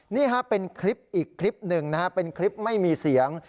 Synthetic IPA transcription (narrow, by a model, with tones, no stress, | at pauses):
niː˥˩ka˦˥pe˧nkʰɾi˦˥p̚ʔiː˨˩kʰːɾli˦˥p̚nɯ˧ŋna˦˥ha˦˥pe˧nkʰɾi˦˥p̚ma˥˩jmiː˧si˩˦əŋ